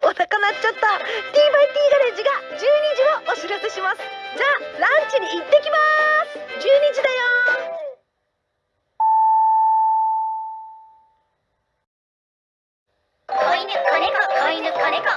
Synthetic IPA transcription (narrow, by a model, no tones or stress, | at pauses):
osakanat͡ɕot̪ːo̞t̪ʲiːbɯit̪ʲiːɡaɾẽ̞d͡ʑiɡad͡ʑɨːɲ̟id͡ʑioʔoɕiɾaseɕimasɨ̥d͡ʑaːɾãɲ̟t͡ɕiɲ̟iːt̪ːe̞kʲimasɨ̥d͡ʑɨːɲ̟id͡ʑid̪ajo